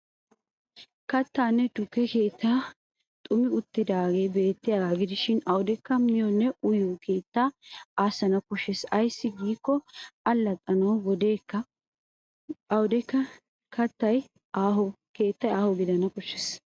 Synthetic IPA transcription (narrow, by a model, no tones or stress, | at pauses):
kɐt̪ːaːnːɛd̪ʊkːɛke̞ːt̪ːaː | t̪ʼʊmɪʊt̪ːɪd̪aːɡe̞ːbe̞ːt̪ːɪjaːɡaːɡɪd̪ɪʃɪnɐwʊd̪ɛkːɐmɪjɔnːɛʔʊjokʰe̞ːt̪ːaːaːsɐnɐkɔʃːɛsɐjsːɪɡiːkːɔɐlːɐt̪ʼːɐnɐwɡɔd̪e̞ːkːɐ | ɐwʊd̪ɛkːɐ | kɐt̪ːɐj | aːɦɔ | ke̞ːt̪ːɐjaːhɔɡɪd̪ɐnɐkɔʃːɛs